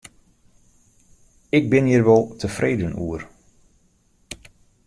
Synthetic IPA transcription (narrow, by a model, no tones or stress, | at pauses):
ɪɡ̚bɪnjirʋɔlˠtʰəfreːdənuər